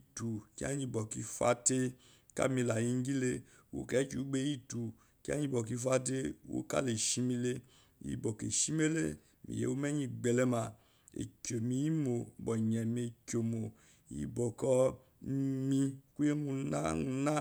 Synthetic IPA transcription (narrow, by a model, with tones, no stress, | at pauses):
tu˨ki˦a̰˦ɲĩ˧bɔ˨ki˧fa̰˦te˦ | ka̰˦mi˧˨la˨ji˧ŋ˦ɡi˦le˦ | wo̰˨kɛ˨˦t͡ʃu˨˦ɡ͡be˦ji˦tu˨ | ki˦a̰˦ɲĩ˧bɔ˨k̬i˧fa˦te˦wo̰˨˦ka̰˦˨le˨ʃi˦mi˧le˦ | jḭ˨bɔ˨kḛ˨ʃi˦me˦le˦ | mḭ˨jḛ˨wo˦mɛ˦ɲĩ˧ɡ͡bɛ˨lɛ˦ma˨ | ḛ˨kʲo˨mĩ˨˦i˦mo˨bɔ˨ɲ˨ɛ˨m˨e˨kʲo˨mo˨ | jḭ˨bɔ˨kɔ˦ | mĩ˦ku˦je˦mũ˧na̰˦u˧na˦